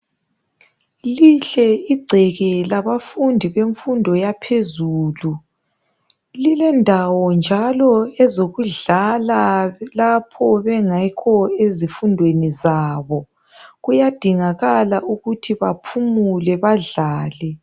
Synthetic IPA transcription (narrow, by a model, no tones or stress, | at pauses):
liɬɛiɡ͡ǀʱɛɣɛlaβafundʱiβeɱfundʱɔjapʰezuːlu | lilɛndʱawɔnd͡ʒʱalɔɛzoɣuɮalalapʰɔβɛŋakʰɔezifundʱwenizaːβɔ | ɣujad̥ʱiŋaɣalaʔuɣutʰiβapʰumulɛβaɮaːlɛ